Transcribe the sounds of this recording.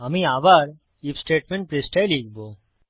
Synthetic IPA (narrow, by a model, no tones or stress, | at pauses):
əmĩaːʋaɾ | ifsʈeːʈmẽɳʈpɾesʈajliːɡbo